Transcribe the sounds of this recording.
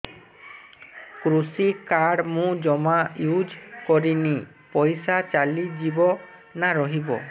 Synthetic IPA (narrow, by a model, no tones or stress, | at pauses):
kɾusikaɽmũd͡ʒɔmajud͡ʒkɔɾini | pɔjsat͡ʃalid͡ʒibɔ | naɾɔɦibɔ̰